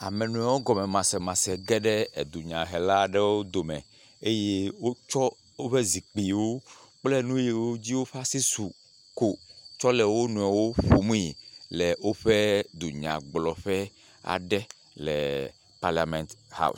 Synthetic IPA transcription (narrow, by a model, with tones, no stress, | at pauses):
a̰˨mɛ˨nũ˨˦ɛ˨wo˦ɡɔ˨mɛ̃˨mã˨sɛ˨mã˨sɛ˨ɡɛ˦ɖɛ˦e˨d̪u˨ɲã˨ɦɛ˨la˦ɖɛ˦wo˦d̪o˨mɛ̃˨ | e˦je˦wo˦t͡ʃɔ˦ | wo˦ɸe˦zi˨k͡pi˨wo˦k͡plɛ˦nũ˦je˦wo˦d͡ʑi˦wo˦ɸa˦si˦su˨ | ko˨t͡ʃɔ˦lɛ˨wo˦nũ˨ɛ˨wo˦ɸo˨mũ˦i˨lɛ˨wo˦ɸe˦d̪u˨ɲã̰˨ɡ͡blɔ˨ɸɛ˦ | a̰˨ɖɛ˦ | lɛ̰˨ | pa˦ɾla˨mɛ̃˨nt̪ha̰˦˨u˨